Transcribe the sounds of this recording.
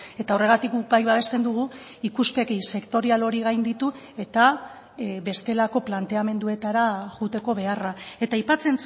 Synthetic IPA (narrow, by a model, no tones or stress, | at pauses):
e̞t̪ao̞re̞ɣ̞at̪ikubajβaβe̞st̪e̞nd̪uɣ̞u | ikuspe̞kise̞kt̪o̞ɾialo̞ɾiɣ̞ajnd̪it̪u | e̞t̪a | βe̞st̪e̞lako̞plant̪e̞ame̞nd̪ue̞t̪aɾaɣut̪e̞ko̞βe̞arae̞t̪ajpat͡se̞nt͡s